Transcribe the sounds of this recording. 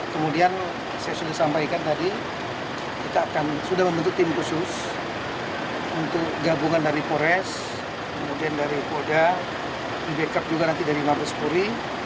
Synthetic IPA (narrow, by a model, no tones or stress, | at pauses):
kəmudian | sajasudasampajkant̪adi | kit̪aːkansudahməmbənt̪ʊt̪ːɪmkusʊs | unt̪ʊk̚ɡabuŋandaɾipoɾɛs | kəmudiandaɾikoda | dibekap̚d͡ʒuɡanant̪idaɾimaɾɔskuɾi